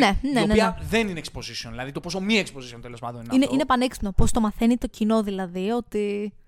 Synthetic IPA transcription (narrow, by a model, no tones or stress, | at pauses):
ne̞neoneiɐðeninekspo̞zisioðilɐðit̪opos̬o̞mieksposisiont̪elo̞spɐ̰d̪oninɐineʔinepɐneksinopo̞st̪o̞mɐθe̞nit̪o̞cino̞ðilɐðio̞t̪i